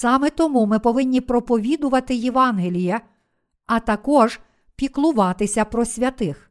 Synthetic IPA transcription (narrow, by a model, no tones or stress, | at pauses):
sɑmɛt̪ɔmumɪpɔʋɪnʲːipɾɔpɔʋʲid̪ʊʋɐt̪ɪjeʋɑnɦelʲijɐ | ɐt̪ɐkɔʒ | pʲiklˠʊʋɑt̪ɪsʲɐpɾɔsʲʋʲɐt̪ɪx